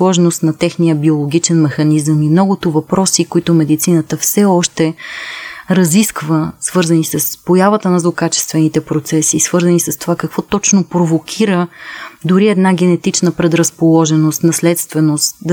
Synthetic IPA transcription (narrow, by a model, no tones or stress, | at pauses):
lˠɔʒnost̪nɐt̪ɛxnijəbiolˠoɡ̟it͡ʃɛnmɛxɐnizəmimnɔɡʊt̪ʊvɐpɾɔsikoit̪ʊmɛd̪it̪sinət̪əfsɛɔʃt̪ɛ | ɾɐziskvəsvɤɾzənisəspojavət̪ənɐzlˠokat͡ʃɛ̥st̪vɛnit̪ɛpɾot̪sɛsiːsv̥ɤɾzənisəst̪ovakɐkvɔt̪ɔt͡ʃnopɾovokʲʰiɾəd̪ʊɾiɛd̪naɡɛnɛt̪it͡ʃnəpɾɛd̪ɾɐspolˠɔʒɛnost̪nɐslɛt̪st̪vɛnost̪d̪